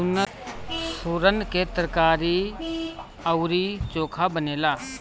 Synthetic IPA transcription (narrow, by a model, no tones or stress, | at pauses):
ʊnə | suɾənket̪ɾəkaːɾi | əwɾit͡ʃoːkʰabəneːlaː